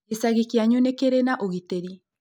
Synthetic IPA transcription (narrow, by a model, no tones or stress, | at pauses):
esaɣikiaɲunekeɾenaʔoɣiteɾi